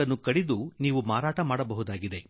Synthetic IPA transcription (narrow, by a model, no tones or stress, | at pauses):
ɐnːukɐɽid̪uniːʋumaːɾaːʈɐmaːɽɐbɐɦud̪aːɡid̪e̞